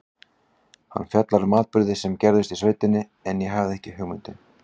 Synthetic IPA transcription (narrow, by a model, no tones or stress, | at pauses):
ha̰nːfjœt̪laɾmaːt̪pʏɾðɪsɛmcɛɾðʏst̪isvejt̪ɪnːɪ | ɛnjɛɦavðɛhcɪhʏɣmʏnt̪ɪ